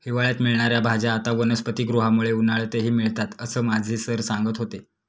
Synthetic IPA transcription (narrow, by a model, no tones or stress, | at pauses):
hiʋaɭjat̪miɭɳ̃aɾjabʱad͡ʑaːt̪aʋənəspət̪iːɡɾuɦamuɭeunaɭt̪eɦiːmiɭt̪at̪əsəːmad͡zʱiːsəɾsaŋɡət̪ɦot̪e